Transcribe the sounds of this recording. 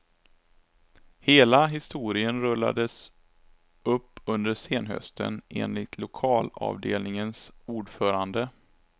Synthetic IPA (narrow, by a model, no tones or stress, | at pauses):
heːlaɦɪst̪uːɾɪənɾɵlːa̰d̪əs | ɵpːɵnd̪əʂeːnɦœ̰st̪ə̰nʔeːnlɪt̪ʰlʊkʰɑːlɑ̰ːvd̪eːlnɪŋənsuːɖfœːɾand̪ə